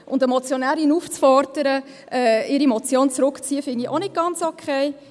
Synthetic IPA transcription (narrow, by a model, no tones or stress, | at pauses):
ʔʊndɛmɔt͡sjonæːɾinuːft͡sfɔɾdəɾə | ʔɛɪɾimɔt͡sjoːnt͡sɾʊkt͡siːəfɪniʔonɪt̚ɡ̥ɑnt͡sɔkʰeɪ